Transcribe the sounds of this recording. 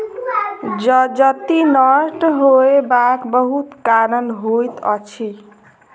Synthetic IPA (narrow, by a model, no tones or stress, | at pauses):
d͡ʒʌd͡ʒʌt̪inəɾʈɦoebakbəɦut̪kaɾənɦojt̪ʌ̰t͡ʃʰi